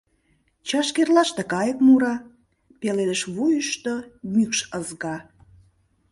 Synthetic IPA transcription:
t͡ɕɑʃkerlɑʃt̪ĕkɑjə̆kmuɾɑ | peleləʃβujəʃt̪omykʃəzɣɑ

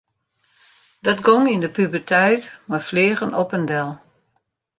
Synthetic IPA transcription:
d̥ɔtɡɔŋindəpybərtʰɛjtmarfleːɣənɔpəndɛlˠ

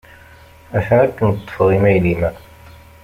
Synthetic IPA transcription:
æθænækːənt̪ˤːə̥fəʁimæjlimæ

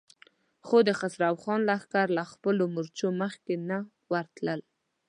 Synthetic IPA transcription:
xod̪əxasɾafxɑnlaxkaɾlaxpəlomʊɾt͡ʃoməxkena | wəɾt̪ləl

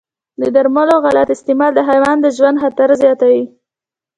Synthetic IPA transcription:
d̪əd̪aɾmaloɣalat̪ɪst̪ɪmɑld̪əɦajwɑnd̪əʒwand̪xat̪aɾzjɑt̪awi

